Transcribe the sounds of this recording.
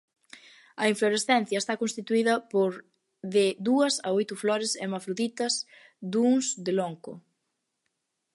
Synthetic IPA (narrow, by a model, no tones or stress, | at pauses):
ɐiɱfloɾesθɛn̟θjɐest̪akõnst̪it̪uiðɐpoɾ | ðɪd̪uɐsɐojt̪ʊflɔɾɪsemafɾuðit̪ɐs | d̪uŋzd̪eloŋkʊ̰